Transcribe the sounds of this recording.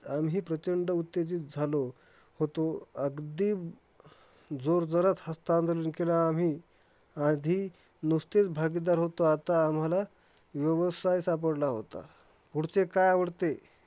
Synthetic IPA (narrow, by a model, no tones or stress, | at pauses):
amɦiːpɾət͡ɕəɳɖəut̪ːed͡ziːt̪̚d͡zʱalo | hot̪oəɡd̪iːm | d͡zoɾd͡zəɾat̪həst̪and̪ələnkelaːm̤iː | ad̪ʱiː | nust̪et͡sbʱaɡid̪aɾɦot̪oat̪aːm̤ala | ʋjəʋəsajsap̬əɽlaɦo̰t̪a̰ | puɽ̤t͡sekajaʋəɽt̪e